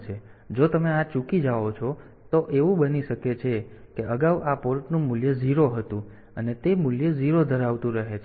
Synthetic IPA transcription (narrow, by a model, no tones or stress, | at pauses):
t͡ʃʰed͡ʒot̪əmeat͡ʃukid͡ʒaʋot͡ʃʰɔ | t̪oʔeʋũɓəniʃəket͡ʃʰekeʔəɡaʋapoɾʈnũmuljəziɾoɦət̪ũ | ənet̪emuljəziɾod̪ʱəɾaʋt̪ũɾəɦet͡ʃʰ